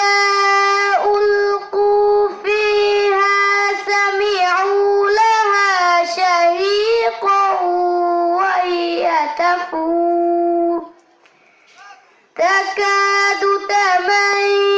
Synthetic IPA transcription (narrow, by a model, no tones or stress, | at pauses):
a | ʔʊlqufiːhasamɪʕulahaːʃahiːq | wahɪat̪afu | t̪akaːd̪ʊt̪aman